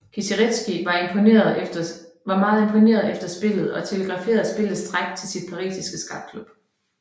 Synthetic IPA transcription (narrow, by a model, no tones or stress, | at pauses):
kʰisiʁed̥sɡ̥iʋɑ̈empʰoneɐðˠ | ʋɑ̈mɑ̈ːð̞̩ˠe̝mpʰo̝ne̝̰ːɐðˠefd̥ɐsb̥e̝l̰ð̞̩ˠɒ̽t͡sʰe̝ləɡ̥ʁɑ̈fe̝ːɐðˠsb̥e̝lð̩ˠsd̥ʁaɡ̥̚d̥̚t͡sʰe̝lsid̥̚pʰɑ̈ʁḭːsisɡ̥əsɡ̥ɑ̈b̥̚kʰlub̥